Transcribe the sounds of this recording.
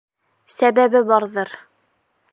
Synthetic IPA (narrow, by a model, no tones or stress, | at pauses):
sæβæβɘbɑɾðɤɾ